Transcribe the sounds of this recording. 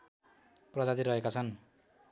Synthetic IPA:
prʌd͡zat̪iɾʌekat͡sʰʌn

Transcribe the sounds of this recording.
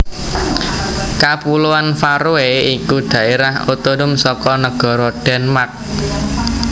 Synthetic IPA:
kapuluanfaɾuweikud̪̥ä̤eɾahot̪onʊmsɔkɔnəɡ̥ɔ̤ɾɔɖ̥ɛ̤nmak̚

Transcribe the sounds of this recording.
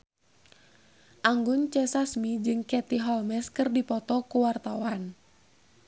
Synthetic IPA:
ʔaŋɡʊnt͡ʃɛsasmid͡ʒɨŋkɛt̪iɦɔlmɛskɨrdipɔt̪ɔkuwart̪awan

